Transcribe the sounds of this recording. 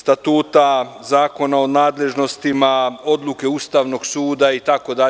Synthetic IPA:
st̪at̪uːt̪azaːko̞naonaːd̪le̞ʒno̞st̪imao̞d̪lˠuke̞ust̪aʋnoɡsuːd̪ait̪ako̞d̪a

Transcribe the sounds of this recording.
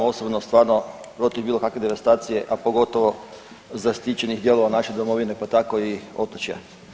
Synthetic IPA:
o̞sobnost̪ʋaːɾno̞ | pɾo̞t̪ivbiːlˠo̞kakʋe̞d̪eʋast̪aːt̪sije̞ʔapo̞ɡo̞t̪oʋo̞ | zast̪it͡ɕenixd̪je̞lˠo̞ʋanaʃed̪omo̞ʋine̞pat̪ako̞io̞t̪ot͡ɕja̰

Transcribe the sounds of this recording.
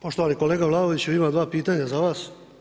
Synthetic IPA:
poʃt̪oʋaniko̞leːɡaʋlˠad̪oʋit͡ɕeʋimad̪ʋaːpiːt̪aɲazaʋaːs

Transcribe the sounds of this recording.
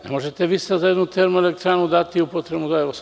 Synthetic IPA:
nḛmoʒet̪eʋist̪azajed̪nut̪eɾmuelek̚t̪ɾaːnud̪at̪iupot̪ɾebnud̪aeʋos

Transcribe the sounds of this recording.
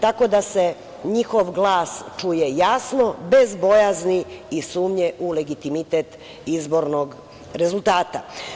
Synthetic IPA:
t̪ako̞d̪ase̞ | ɲixoʋɡlˠaːst͡ʃuje̞jasno̞be̞zbo̞jazniisuːmɲeʔule̞ɡit̪imit̪et̪ | izbo̞ɾnoɡ | ɾe̞zult̪aːt̪a

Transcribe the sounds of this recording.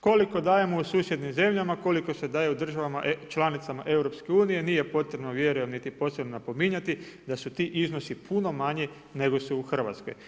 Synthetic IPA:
ko̞liko̞d̪aːje̞mousuːsje̞d̪nimze̞mʎamako̞liko̞se̞d̪aːjeud̪r̩ʒaʋama̰t͡ʃlˠanit̪samaʔe̞wɾo̞pske̞uːnije̞niːje̞po̞t̪ɾebno̞ʋje̞ɾujemnit̪ipo̞ːsɾebnonapo̞miɲat̪id̪asut̪iʔizno̞sipʰuno̞maɲi | ne̞ɡo̞suuxr̩ʋa̰t̪sko̞̰j

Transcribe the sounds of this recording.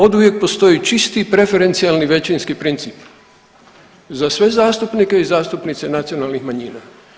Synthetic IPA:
o̞d̪uʋjek̚po̞st̪o̞it͡ʃist̪ipɾe̞fe̞ɾe̞nt̪sialniʋe̞t͡ɕinskipɾint̪sip | zasʋe̞zaːst̪upnike̞izaːst̪upnit̪se̞nat̪sio̞nalnixmaɲiːna

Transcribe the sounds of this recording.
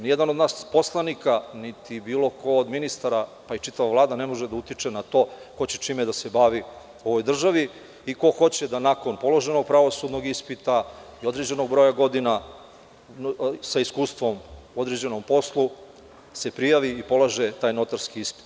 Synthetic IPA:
nijed̪anod̪naːspo̞slˠanikanit̪ibiːlo̞kʰo̞ːd̪minist̪aɾapait͡ʃit̪aʋaʋlaːd̪ane̞mo̞ʒed̪aut̪it͡ʂenat̪o̞ːko̞t͡ɕe̥t͡ʃiːmed̪ase̞baːʋi | o̞ʋo̞jd̪r̩ʒaʋi | iko̞xo̞t͡ɕe̞d̪anako̞npo̞lo̞ʒe̞noɡ̚pɾaʋo̞suːd̪no̞ɡispit̪aio̞d̪ɾe̞d͡ʑe̞no̞ɡ̚bɾo̞jaɡo̞d̪ina | saiskuːst̪ʋo̞mo̞d̪ɾed͡ʑe̞no̞mpo̞slˠu | se̞pɾijaʋiːpo̞lˠaʒet̪aːjno̞t̪aɾskiispi̥t̪

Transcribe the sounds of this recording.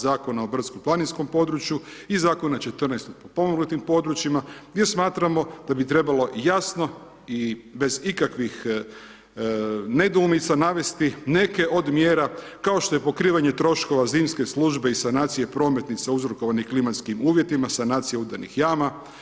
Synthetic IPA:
zaːko̞nao̞br̩t̪skomplˠaninsko̞mpo̞d̪ɾut͡ʃjuizaːko̞nat͡ʃe̞t̪ərnajst̪opopo̞moɡlut̪impo̞d̪ɾut͡ʃimaɡjʲesmaːt̪ɾamo̞d̪̥abit̪ɾe̞balo̞jasno̞ | ibe̞zikakʋix | ne̞d̪uːmit̪sanaʋe̞st̪ine̞ke̞ʔo̞d̪mje̞ːɾa | kao̞ʃt̪o̞je̞po̞kɾiːʋaɲe̞t̪ɾo̞ʃko̞ʋaziːmske̞slˠuʒbe̞isanaːt̪sije̞pɾo̞ːme̞t̪nit̪sauzɾoko̞ʋaniklimat̪skimuːʋje̞t̪imasanaːt̪sijeud̪anḭxjaːma

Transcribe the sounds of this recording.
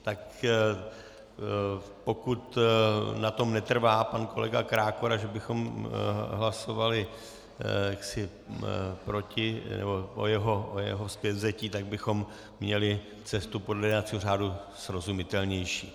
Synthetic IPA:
t̪ak | po̞kut̪nat̪o̞mnɛt̪r̩vaːpanko̞̰lɛ̰ɡakɾaːkoɾaʒɛbɪxo̞m | ɦlaso̞valɪ | jaksɪ | pɾo̞cɪnɛ̰bo̞ʔo̰jɛɦo̞ʔojɛ̰ɦo̞spjɛt̪zɛciːt̪aɡ̚bɪxo̞mː | ɲɛlɪ | t͡sɛst̪upodlɛjdnat͡siːɦor̝aːdu | sɾo̞zumɪt̪ɛlɲɛjʃiː

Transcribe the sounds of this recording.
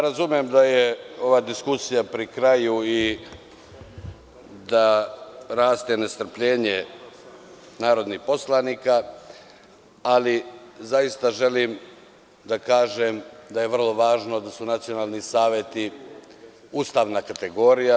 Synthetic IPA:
aɾazumije̞md̪aje̞o̞ʋaːd̪iskusijapɾikɾajui | d̪aɾaːst̪e̞ne̞st̪r̩pʎeːɲe | naːɾo̞d̪nihpo̞slˠanika | lizajist̪aʒe̞lim | d̪akaːʒemd̪aje̞ʋr̩lˠo̞ʋaːʒno̞d̪asunat̪sijo̞naːlˠnisaːʋje̞t̪i | uːst̪aːʋnakat̪e̞ɡo̞ɾija

